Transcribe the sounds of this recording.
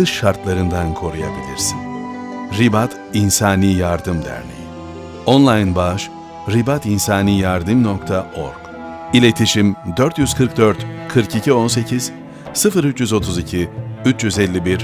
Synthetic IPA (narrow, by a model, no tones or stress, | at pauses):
ɯʃʃaɾt̪lˠaɾɯnd̪ankʰo̞ɾuja̰bilʲiɾsin | ɾibat̪ | insaːniːjaɾd̪ɯmd̪æ̰ɾlʲḭji | onlˠajnbaʃ | ɾibat̪insaːniːjaɾd̪ɯmno̞kt̪ʰaʔo̰ɾɡ | ilʲe̞t̪ʰiʃimd̪øɾt̪jyz̥kʰɯɾk̚d̪øɾt̪kʰɯɾkicʰio̞nse̞cʰiz̥ | sɯfɯɾyt͡ʃjyzo̞t̪ʰuzicʰiyt͡ʃjyzɛlʲːibiɾ